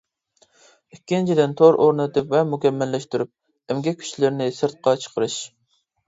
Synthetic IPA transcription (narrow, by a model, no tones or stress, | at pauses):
ikʲːint͡ʃʰid̪ɪnt̪ʰoɾʔoɾnɨt̪ɨpvɛmukʲɛmːɛlːɛʃt̪yɾyp̚ | ɛmɡʲɛkʲʰy̥t͡ʃlɪɾnɪsɨɾt̪̚qɑt͡ʃʰə̥qʰəɾɨʃ